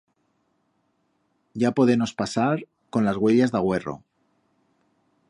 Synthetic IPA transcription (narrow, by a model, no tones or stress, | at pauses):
ɟ͡ʝapo̞ð̞e̞mo̞spasaɾ | ko̞nlazɣwe̞ʎazðaɣ̞we̞ro̞̰